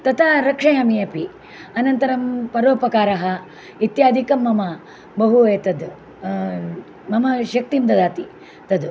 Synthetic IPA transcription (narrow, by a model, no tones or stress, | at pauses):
t̪ɐt̪ʰaɾɐkʂɐjɐmijɐpi | ɐnɐnt̪ɐɾɐmpɐɾʋoːpɐkaːɾɐɦɐ̆ | it̪jaːd̪ʱikɐmːɐmɐ | bɐɦuɐjt̪ɐd̪ | mɐmɐʃɐk̚t̪imd̪ɐd̪aːt̪i | t̪ɐd̪